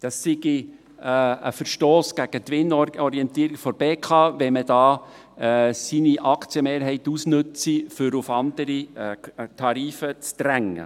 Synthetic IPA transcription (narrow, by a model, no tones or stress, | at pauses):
d̥ɑsːɪɡi | ə̰fəɾʃtoːsɡ̥æɡ̥ət̪ʋɪnːɔɾiɛnt̪iːɾiɡfɔɾb̥eːkʰɑːʋɛməd̥ɑː | siniʔɑkʰt͡sjəmeːɾɦɛɪt̪usnɵt͡sifʏɾʊfɑnd̪əɾi | t̪ʰɑɾiːfət͡st̪ɾæŋːə̰